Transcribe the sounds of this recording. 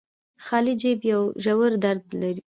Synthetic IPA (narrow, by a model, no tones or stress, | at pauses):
xɑlid͡ʒebjawʒawəɾd̪aɾd̪laɾi